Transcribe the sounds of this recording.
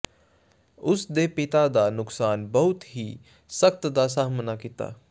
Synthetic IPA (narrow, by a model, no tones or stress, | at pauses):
ʊsd̪eːpɪt̪aːd̪aːnʊksaːnbəɦʊt̪ɦiː | sək̚t̪d̪aːs̬aːɦmənaːkit̪a̰ː